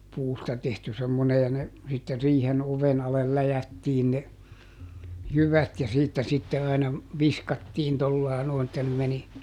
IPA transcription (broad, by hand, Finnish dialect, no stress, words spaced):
puːstɑ tehty semːone jɑ ne sitːe riːhen oʋen ɑlel læjætːiːn ne jyʋæt jɑ siːtːæ sitːe ɑinɑ ʋiskɑtːiːn tolːɑˑi̯ noˑi̯n etːæ ne meni